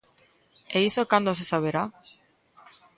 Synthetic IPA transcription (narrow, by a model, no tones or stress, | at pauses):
eisokand̪os̬esaβeɾa